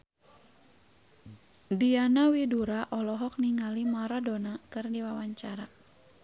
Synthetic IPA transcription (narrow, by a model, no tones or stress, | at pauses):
dianawiduɾaʔɔlɔɦɔk̚niŋalimaɾadɔnakɨrdiwawaɲt͡ʃaɾa